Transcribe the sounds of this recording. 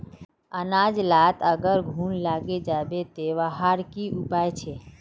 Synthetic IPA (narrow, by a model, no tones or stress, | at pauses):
ənad͡ʒlat̪əɡəɾɡʱuːnlaɡed͡ʒabet̪eʋaɦaɾkiʔupajt͡ʃʰe